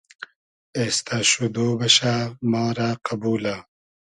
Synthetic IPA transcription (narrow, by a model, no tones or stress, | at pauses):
eːst̪aɕud̪oːbɐɕamɑːɾaːqabuːla